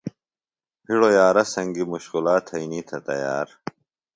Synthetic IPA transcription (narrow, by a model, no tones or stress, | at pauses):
pʰiɽojaːɾɐsɐŋɡimuɕkulaːt̪ʰɐinit̪ʰɐt̪ɐ̰jaːɾ